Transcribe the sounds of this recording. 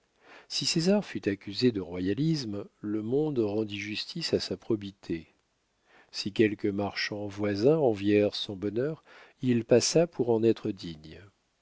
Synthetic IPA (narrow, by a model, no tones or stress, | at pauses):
sisezaʁfyt̪akʲyzed̪əʁwajalismləmɔ̃d̪ʁɑ̃d̪iʒyst̪ʰisasapχɔbit̪ʰe | sikʲɛlkəmaʁʃɑ̃vwazɛ̃ɑ̃vjɛʁsɔ̃bɔnœʁilpasapʰuʁɑ̃nɛt̪χəd̪iɲ